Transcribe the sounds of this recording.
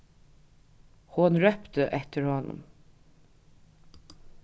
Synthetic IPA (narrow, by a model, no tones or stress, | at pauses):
hʊnɹœpt̪əʔɛt̪əɹhɔnʊ̰m